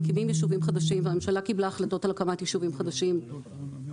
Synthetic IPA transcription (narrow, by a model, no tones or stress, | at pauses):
kivimjeʃuvimχad̪aʃimveamemʃalakiblaːχlat̪o̞t̪alkamat̪jiʃuvimχad̪aʃim